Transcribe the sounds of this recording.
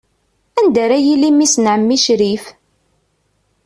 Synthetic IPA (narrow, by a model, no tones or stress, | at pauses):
ænd̪æɾæjilimisnʕəmːiʃɾif